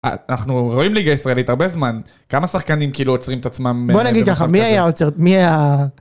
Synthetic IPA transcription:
a̰naχnuʁo̞imliɡaisʁaelit̪haʁbezman | kamasaχkanimkiiːluot͡sʁimet̪at͡smambonaɡid̪̚kaχamiajaot͡seʁmiaja

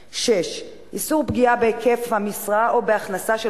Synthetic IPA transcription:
ʃeʃ | ʔisuʁpɡiabeːkefhamisʁaʔo̞be̞aχnasaʃe

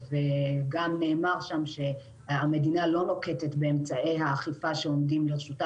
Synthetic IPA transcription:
veɡamne̞ːmaʁʃamʃe̞ | ame̞dinalo̞no̞ketetbe̞ːmt͡sae̞jɦaːχifaʃe̞o̞mdimleʁeʃuta

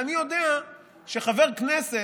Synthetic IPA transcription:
anijo̞d̪ea | ʃeχaveʁknese

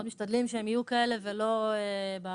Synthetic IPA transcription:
od̪miʃt̪ad̪limʃeemijukae̞le̞velo̞eb

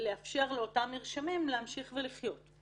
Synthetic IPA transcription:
leafʃe̞ʁleotamiʁʃamimlehamʃiχveliχjo̞t

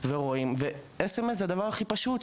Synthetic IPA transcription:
veʁoimve | esemes̬had̪avaʁaχipaʃut̪

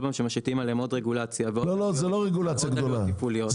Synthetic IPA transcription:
bamʃemaʃit̪imalemod̪ʁeɡulat͡sjavelo̞lo̞zelo̞ʁeɡulat͡sjaɡd̪o̞lapulijo

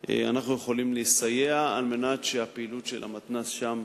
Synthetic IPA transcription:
ḛa̰naχnujeχolimliisajeaalmenatʃeapeilutʃela̰mat̪nasʃam

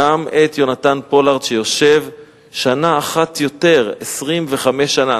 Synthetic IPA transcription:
amet̪jo̞nat̪anpo̞laʁd̪ʃejo̞ʃe̞v | ʃanaːχatjote̞ʁesʁimveχame̞ʃːana

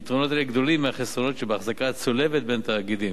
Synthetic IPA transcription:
t̪ʁo̞no̞t̪aeɡd̪o̞limeaχesʁo̞no̞tʃebeaχzakat͡solevet̪̚bent̪aːɡid̪i

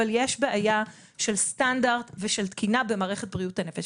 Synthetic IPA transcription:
aljeʃbeʔaja | ʃe̞lstandaʁtveʃelt̪kʰinabe̞maːʁeχet̚bʁiuthanefeʃ

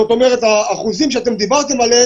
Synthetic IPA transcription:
ot̪o̞meʁet̪aːχuzimʃeat̪e̞md̪ibaʁt̪e̞male

